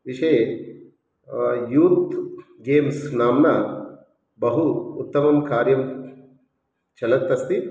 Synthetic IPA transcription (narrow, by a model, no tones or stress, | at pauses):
ʋiʂɐje | juːt̪ | ɡeːmsnaːmnɐ | bɐɦuːt̪ːɐmɐmkaːɾjɐm | t͡ʃɐlɐt̪ːɐst̪i